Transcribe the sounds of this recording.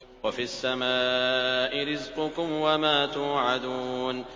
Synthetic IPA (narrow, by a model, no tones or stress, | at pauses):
wafiasːamaːʔɪɾɪzqʊkʊmwamaːt̪uːʕad̪uːn